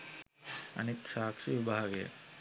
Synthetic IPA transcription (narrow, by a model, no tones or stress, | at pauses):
ɐ̰neːkʃaːkʂiʋibʱaːɡḛ